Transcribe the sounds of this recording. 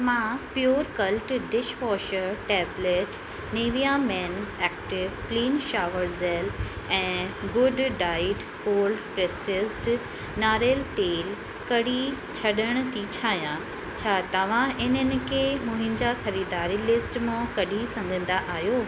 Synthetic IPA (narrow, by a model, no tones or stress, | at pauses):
mãpɪjoːɾkɐlʈɖɪʃʋɔːʃəɾʈɛːbleːʈ | neːʋijamɛːnɛːkʈɪʋpliːnʃaːʋəɾzeːl | ɛ̃ːɡʊɖːaːɪɖ | koːlɖpɾeːsɪsʈ | naːɾelt̪eːl | kɐɽi | t͡ɕʰɐɗəɽ̃̆t̪ʰit͡ɕʰaːɦjã | t͡ɕʰaːt̪ɐʋ̤ãʔɪnənɪ̆kʰeːmʊ̃ɦɪ̃ɲd͡ʑaxɐɾiːd̪aːɾilɪsʈmãkɐɗisɐ̃ŋɡʱə̃nd̪aʔaːɦjoː